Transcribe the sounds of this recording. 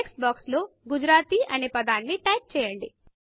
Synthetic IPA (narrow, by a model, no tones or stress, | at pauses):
eksbaːkslo̞ːɡud͡ʒɾaːt̪iːʔɐneːpɐd̪aːnːiʈɐjp̚t͡ʃɛːjɐɳɖi